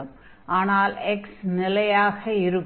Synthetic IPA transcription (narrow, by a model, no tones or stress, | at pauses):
ɐm | ʔaːnaːlɛksnɪlɐjaːɣɐɪɾɯk